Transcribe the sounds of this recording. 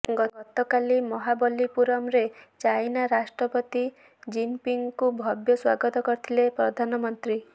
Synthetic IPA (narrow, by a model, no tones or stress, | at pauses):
ɡɔɔt̪ɔkalimɔɦabɔlipuɾɔmɾet͡ʃajnaɾasʈɾɔpɔt̪i | d͡ʒimpiŋkubʱɔbjɔswa̰ɡɔt̪ɔkɔɾit̪ʰilepɾɔd̪ʱanɔmɔnt̪ɾi